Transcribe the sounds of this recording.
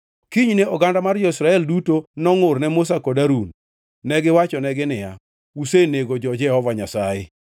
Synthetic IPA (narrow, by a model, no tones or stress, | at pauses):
kiɲneɔɡandamard͡ʒɔisɾaɛldutonɔŋʊrnɛmʊs̬akodaɾunː | ɛɡɪwat͡ʃɔnɛɡɪnɪja | useneɡod͡ʒɔd͡ʒɛhɔvaɲasajɪ